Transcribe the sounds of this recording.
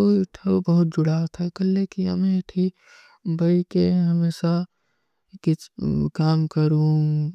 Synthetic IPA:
oʈʰɐbbɐɦʊt̪̚d͡ʒʊɽat̪ʰakɐlːekiɦə̰mẽʈ̪ʰi | bɐikeɦɐmeːʃa | kɪt͡ʃkaːmkəɾũ

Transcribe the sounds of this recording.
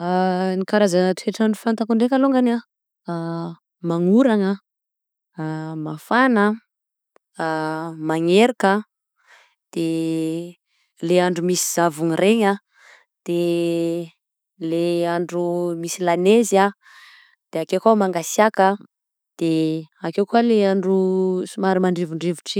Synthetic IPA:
anikaɾazant̪ueʈ͡ʂaɳɖ͡ʐufant̪akuɳɖ͡ʐekʲaloŋɡana | maŋuɾaŋə | mafanə | maŋeɾakə | d̪̥e | leaɳɖ͡ʐumisi̥z̥avuŋireɲə | d̪̥e | leaɳɖ͡ʐumisilaneza | d̪̥eakewkamaŋɡasjakə | d̪̥eakewkualeaɳɖ͡ʐusumaɾimaɳɖ͡ʐevuɳɖ͡ʐevuʈ͡ʂi

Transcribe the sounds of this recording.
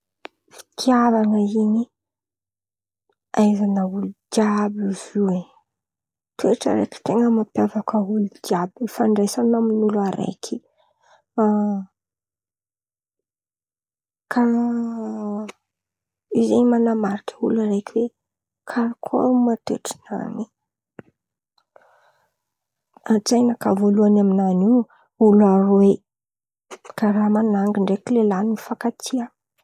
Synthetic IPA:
fi̥kʰiavaŋəini | ajzanaulud͡ʒjabivie | t̪ʰueʈ͡ʂə̰ɾḛki̥t̪eŋəmapjavakəulud͡ʒiabiifaɳɖ͡ʐejsanaminulaɾḛkʰi | kʰa | izenimanamaɾikə̥ulaɾekiwe | kʰaɾkʰo̰mat̪ḛʈ͡ʂi̥na̰ni | at͡sajnakavoluanaminani | ulaɾowe | kaɾamanaŋɡiɳɖ͡ʐekilelanimifakat̪ʰia

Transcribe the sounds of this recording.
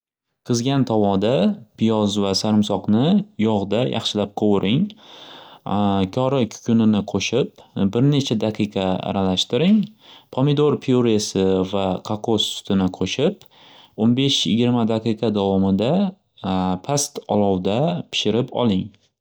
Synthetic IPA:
qʰɨzɡʲant̪ʰɒwɒd̪apʰɪjɒzvasaɾɪmsɒqnɪjɒʁd̪ajʔɑ̰χʃɪlap̚qʰowɾʔɪŋ | kʲʰɒɾɪkʲʰʊ̥kʰʲʊnɪnɪqʰoʃɪpbɪɾne̞t͡ʃʰad̪aqʰɨqʰɑa̰ɾalaʃt̪ɪɾɪŋpʰomɪd̪oɾpʰioɾesɪvaqʰaqʰosːʊ̥t̪ʰɪnɪqʰoʃɪp | onbe̞ʃjɪɡʲɪɾmad̪aqʰɨjqʰɑd̪avɒmɪd̪a | pʰast̪ɒlˠɒwd̪apʰɪ̥ʃɪɾɪpɒ̰lˠɪŋ

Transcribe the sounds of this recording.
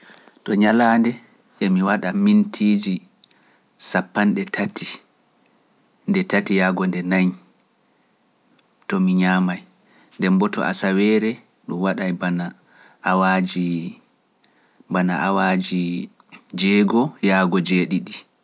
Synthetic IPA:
tɔɲalaːndɛ | ʔemiwaɗamintʰiːd͡ʒi | sapːanɗɛtʰati | ndɛtatijaːɡɔndɛnaɲ | tɔmiɲaːmaj | ndɛmbɔtɔ̰a̰sawɛɾɛ | ɗumwaɗajbana | awad͡ʒi | banaawad͡ʒi | d͡ʒɛːɡɔjaːɡɔd͡ʒeːɗiɗi

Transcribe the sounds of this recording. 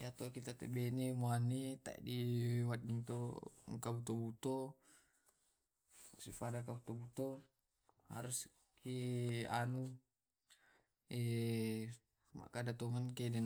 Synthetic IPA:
jat̪okit̪at̪ebɛnemoanit̪a̰ḭdiwat̪̚niŋt̪oŋkabut̪obut̪o | supadakabut̪obut̪o | ha̰ɾus | keanu | e | ma̰ʔkadat̪ɔŋankedɛn

